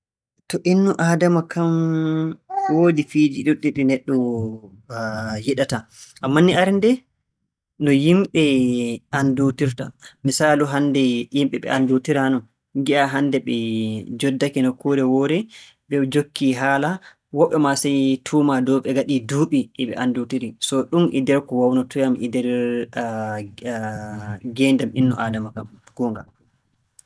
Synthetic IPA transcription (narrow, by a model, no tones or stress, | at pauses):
tɔʔinːuʔadamakʰam | wodifiːd͡ʒiɗuɗːiɗinɛɗːɔ | jiɗataʔamːanːiaɾndɛ | nɔjimɓɛʔandutiɾtamisaːluɦandɛjimɓɛɓɛ̰ʔandutiɾanɔ | ŋɡiʔaɦandɛɓɛd͡ʒɔdːakinɔkuɾɛwɔɾɛ | ɓɛd͡ʒokːiɦaːla | wɔɓɛmasɛjtʰuːmadɔwɓɛɡaɗiduːɓiʔːɓɛ̰ʔandutiɾisɔɗumʔɛ̰dɛɾkɔwawnɔtujamʔidɛɾ | ɡɛːndaminːɔ̰ʔaːdamakamɡ̥ɔŋɡa̰